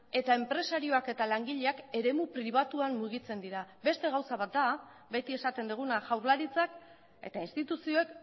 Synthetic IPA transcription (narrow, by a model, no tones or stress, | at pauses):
e̞t̪ae̞mpɾe̞saɾio̞ake̞t̪alaŋɡiʎe̞ake̞ɾe̞mupɾiβ̞at̪uanːuɣ̞it͡se̞nd̪iɾabe̞st̪e̞ɣ̞awsaβat̪̚d̪a | be̞t̪ie̞sat̪e̞nd̪uɣ̞unaʝawɾlaɾit͡sak | e̞̰t̪ainst̪it̪usio̞e̞k